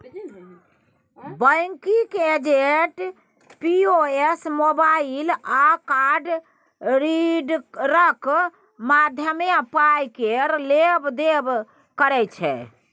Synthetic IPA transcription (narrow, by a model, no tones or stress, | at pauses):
bəjŋkiked͡ʒeʈ | pioesmobailakaɖ | ɾiɖɾək | mad̪ʱjəmeapaikeɾlebd̪eb | kəɾɛt͡ʃʰɛ̰